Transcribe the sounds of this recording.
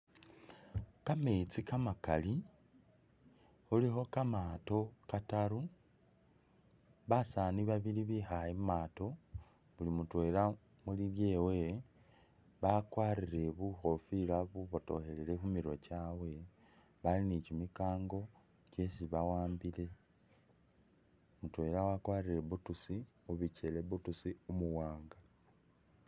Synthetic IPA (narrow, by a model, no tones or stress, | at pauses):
kame̞t͡sikamakali | xulixo̞kamato̞kataɾu | βasaːniβaβiliβixajimaːto̞ | βulimutwe̞ːla | mulilje̞ːwe̞ | βakwaːɾiɾe̞βuxo̞filaβuβoto̞̰xe̞lele̞xumiɾo̞cawe̞ | βalinicimikaːŋɡo̞ | ce̞siβawaːmbile̞ | mutwe̞lawakwaːrire̞βutusi | oβice̞le̞βutusiomuwaːŋɡa